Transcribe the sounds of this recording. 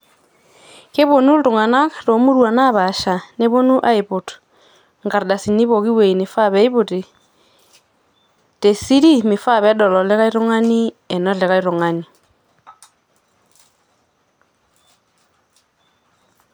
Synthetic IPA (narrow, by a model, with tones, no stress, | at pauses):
ke˦βo˨nu˦tu˨ŋa˨na˦kato˨mu˦ɾwa˨na˦βa˨ʃa˨ne˦βo˦nu˦ʔa˦i˨βo˨t | ŋɡa˨ɾda˨si˨ni˦βo˨ɣi˦we˨i˨ne˨fa˦βɛ˨˦i˦βu˨ti˨ | te˨si˦ɾi˦mi˨fa˦βɛ˨˦dɔ˨lɔ˨le˦ɣa˦i˦ɾo˦ŋa˦ni˦ɛ˨nɔ˦le˨ɣa˦i˦ɾo˨ŋa˦ni˨